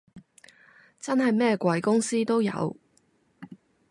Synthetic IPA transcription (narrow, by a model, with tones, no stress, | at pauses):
t͡sɐ˥nhɐ˨jmɛː˥kʷɐ˨˧jkʊ˥ŋsiː˥t̪o˥wjɐ̰˨˧w